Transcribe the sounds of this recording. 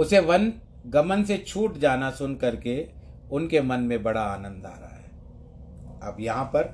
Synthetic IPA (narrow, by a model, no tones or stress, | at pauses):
ʊseʋɐn | ɡɐmənset͡ʃʰuːʈd͡ʒaːnasʊnkɐɾke | ʊnkemɐnmẽbɐɽaaːnə̃nd̪a̰ːɾaɦa̰ɦɛː | ɐ̰bjɐɦãpɐɾ